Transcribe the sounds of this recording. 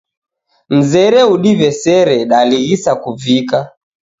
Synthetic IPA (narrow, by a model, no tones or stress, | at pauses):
m̩zɛɾɛuɗivɛsɛɾɛɗaliɣisakuvika